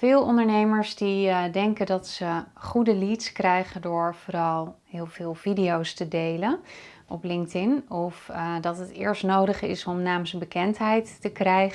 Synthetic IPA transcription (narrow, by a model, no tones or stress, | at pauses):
fɪːlˠɔ̰ndəɹnejməɹsdidɛŋkəndɑtsəχudəlitskrɛjχəndʊːɹv̥oːɾɑlˠɦɪːlˠv̥ɪːlˠvidiowstədejlən | ʔɔplɪŋk̚tɪnɔfdɑtɦətɪ̰ːɹstnowdəχɪ̰sɔmnaːmsbəkɛntɦɛjtːəkrɛjχ